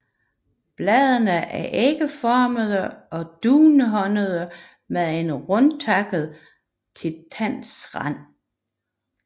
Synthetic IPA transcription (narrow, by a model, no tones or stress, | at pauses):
b̥lɛðˠənəʔæɐʔeɡ̥əfɒːməðˠəɒ̽d̥uːnəɦɒ̽nəð̞ˠə | meðˠe̝nʁɔnt͡sʰɑ̈ɡ̥əð̩ˠ | t͡sʰe̝lt͡sʰæn̰sʁɑ̰n̰